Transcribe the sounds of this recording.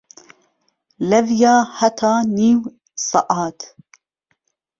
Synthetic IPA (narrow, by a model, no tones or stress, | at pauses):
lavjaːħat̪ʰaːniːw | sˤɑʔɑːt̪